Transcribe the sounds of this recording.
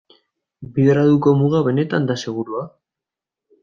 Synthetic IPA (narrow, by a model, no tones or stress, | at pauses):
biðeɾaðuko̞muɣaβe̞ne̞t̪and̪ase̞ɣ̞uɾua